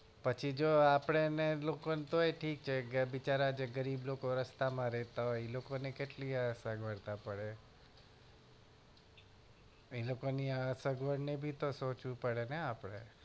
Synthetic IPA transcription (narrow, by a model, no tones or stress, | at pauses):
pət͡ʃʰid͡ʒoapɽ̃enelokont̪oeʈʰik̚t͡ʃʰeɡəʋit͡ʃaɾad͡ʒeɡəɾiblokoɾəst̪amãɾɛɦt̪aɦɔelokonekeʈliəsəɡʱʋəɽt̪apəɽe | elokoniəsəɡʋəɽnebʱit̪osot͡ʃʋũpəɽeneapɽ̃e